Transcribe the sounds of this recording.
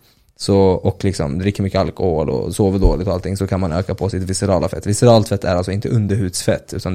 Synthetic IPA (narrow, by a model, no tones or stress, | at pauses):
sɔɔkːlɪksɔmd̪ɾɪk̪ːɾmʏkːəalkɔhoːlɔ̰soːvəɖoːlɪt̪ɔalt̪ʰɪŋsɔkʰanmanøːkapʰɔsɪt̪vɪsɛɾɑːlafɛ̰t̪ːvɪsɛɾɑːlt̪fɛt̪ʰːæ̰ɾalsɔɪnt̪əʔɵnd̪əɾhʉ̟ːd̪sfɛt̪ʰːʉ̟ːt̪an